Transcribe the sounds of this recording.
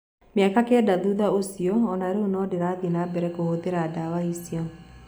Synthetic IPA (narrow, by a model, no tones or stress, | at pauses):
mjakakɛdaðuðaosiɔɔnaɾeonɔdeɾaðinabɛɾɛkohoðeɾadawaisiɔ